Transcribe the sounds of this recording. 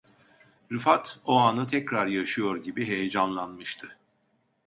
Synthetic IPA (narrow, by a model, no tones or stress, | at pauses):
ɾɯfat̪ʰoanɯt̪ʰɛcɾaɾjaʃɯjo̞ɾɟibiɦe̞jɛd͡ʒanlˠanmɯʃt̪ʰɯ